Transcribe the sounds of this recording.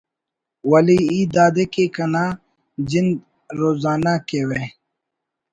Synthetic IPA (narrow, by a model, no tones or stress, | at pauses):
wɐliid̪aːd̪ekekɐnaː | d͡ʑind̪ | ɾoːzaːnakeːwe